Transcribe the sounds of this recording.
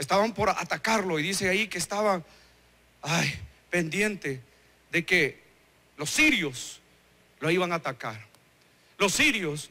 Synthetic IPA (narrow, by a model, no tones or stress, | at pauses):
est̪aβampo̞ɾa̰t̪akaɾlo̞iðiseajike̞ːst̪aβa | aj | pe̞nd̪je̞nt̪e | ðe̞ke | lo̞sːiɾjo̞s | loiβaŋaːt̪akaɾ | lo̞sːiɾjos